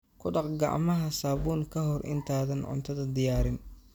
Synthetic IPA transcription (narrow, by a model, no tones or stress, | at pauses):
kʰʊɖɑqɡɑ̰ʕmɐɦɐsaːβuːnkʰɐɦɔrʔɪ̰nt̪ʰaːðɐnʕʊ̰nt̪ʰɐðɐd̪ɪjaːɾɪn